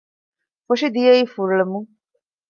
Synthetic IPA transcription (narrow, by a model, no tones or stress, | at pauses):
foʃid̪ijeiːfuɾuɭemuŋ